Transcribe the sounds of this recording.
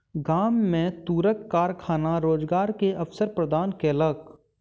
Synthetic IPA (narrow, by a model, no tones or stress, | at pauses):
ɡaːmːẽt̪uːɾəkːaːɾkʰaːnaɾoːd͡ʒɡaːɾkeɐfsəɾpɾəd̪ʱaːnkeələɡ